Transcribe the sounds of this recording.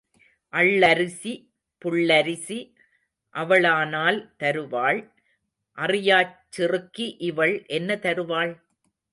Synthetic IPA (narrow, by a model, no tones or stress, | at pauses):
ʔɐɭːɐɾɪsi | pʊɭːɐɾɪsi | ʔɐʋɐɭaːnaːlt̪ɐɾɯʋaːɭ | ʔɐrɪjaːt͡ʃːɪrɯkːiʔɪʋɐɭʔɛnːɐt̪ɐɾɯʋaːɭ